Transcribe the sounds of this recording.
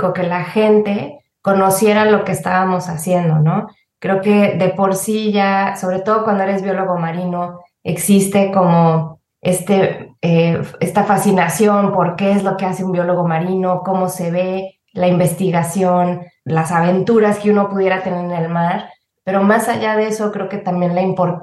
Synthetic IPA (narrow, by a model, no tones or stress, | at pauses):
koke̞laxe̞nt̪e̞ | ko̞no̞sje̞ɾalo̞ke̞ːst̪a̰βamo̞sasje̞nd̪o̞no̞ | kɾe̞oke̞ðe̞po̞ɾsiʝaso̞βɾe̞t̪o̞ðo̞kwand̪oeɾezβjo̞lo̞ɣo̞maɾino̞ | e̞̰ksist̪e̞ko̞mo̞ | e̞st̪e̞eest̪afasinasjo̞mpo̞ɾke̞ezlo̞ke̞aseumbjo̞lo̞ɣo̞maɾino̞ko̞mo̞se̞βe̞ | laimbe̞st̪iɣasjo̞nlasaβ̞e̞nt̪uɾaske̞uno̞puðje̞ɾat̪e̞ne̞ɾene̞lmaɾ | pe̞ɾo̞masaʝaðe̞so̞kɾe̞oke̞t̪ambje̞nlaimpo̞ɾ